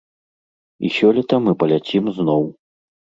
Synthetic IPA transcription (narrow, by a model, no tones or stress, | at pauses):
ḭsʲɔlʲit̪ɐmɨpɐlʲat͡sʲimznɔw